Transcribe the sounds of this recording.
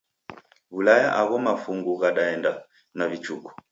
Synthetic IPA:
βulajaʔaɣɔmafuŋɡuɣaɗaɛnda | navit͡ʃukɔ̥

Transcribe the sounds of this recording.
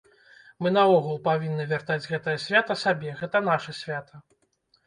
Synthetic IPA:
mɨn̪ɐɔɣulˠpavʲinːɨvʲart̪ad͡zʲɣɛt̪ɐjɐsʲvʲat̪ɐsabʲɛɣɛt̪ɐnaʂɐsʲvʲat̪ʰɐ

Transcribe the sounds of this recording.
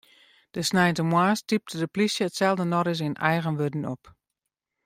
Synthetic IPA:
d̥əsnɛjntəmwaːstip̚tʰədəplisjəətsɛlˠdənɔɾɪs̬ɪnɛjɣənʋødn̩ɔp

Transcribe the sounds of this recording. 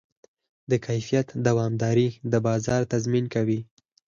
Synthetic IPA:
d̪əkʰajfijat̪d̪awɑmd̪ɑɾid̪əbɑzɑɾt̪azminkawi

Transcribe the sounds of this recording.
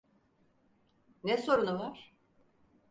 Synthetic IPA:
nɛso̞ɾunuvaɾ̥

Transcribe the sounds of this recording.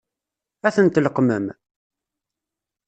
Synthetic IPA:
æθənt̪ləqmə̰m

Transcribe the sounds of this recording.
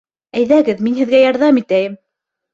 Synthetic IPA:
æjðæɡɘðminhɘ̆ðɡæjɑɾðɑmit̪æjɘm

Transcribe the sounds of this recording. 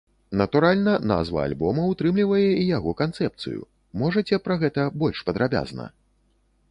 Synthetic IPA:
nɐt̪uɾalʲnɐna̰zvɐ̰a̰lʲbɔmɐwt̪ɾɨmlʲivɐjɛijaɣɔkant̪sɛp̚t̪sɨ̰jṵ | mɔʐɐt͡sʲɛpɾɐɣɛt̪ɐbɔlʲʂpɐd̪ɾabʲa̰znɐ̰

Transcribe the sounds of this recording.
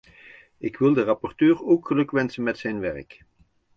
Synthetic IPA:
ɪkʋɪlˠdərɑpɔɹtøːɹoːkχəlɵkʋɛnsənmɛtsɛjnʋɛɹk

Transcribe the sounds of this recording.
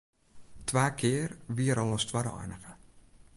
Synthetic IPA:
tʰʋaːkʰɪːərʋiəɾɔlˠɔstwadəɔ̰jnəɣə

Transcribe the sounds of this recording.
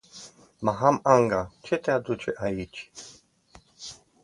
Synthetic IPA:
maɦamaŋɡat͡ʃʰɛt̪ʰʼɛad̪ut͡ʃʰɛʔajit͡ʃʰi̥

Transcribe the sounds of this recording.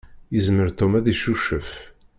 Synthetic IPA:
jəzməɾt̪ɔmæðiʃuʃəf

